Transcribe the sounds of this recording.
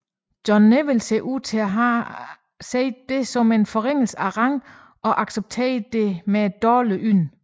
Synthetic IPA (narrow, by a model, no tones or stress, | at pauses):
d̥jɒnːeʋelse̝ʔuð̰ˠt͡sʰe̝æɦɑ | sḛːd̥̚ːe̝sɒ̽me̝nfɒ̽ʁeŋ̰l̩sæʁɑ̈ŋ | ɒ̽ʔɑ̈ɡ̥seb̥̚t͡sʰḛːɐd̥e̝me̥d̥ɒːləʔyn̰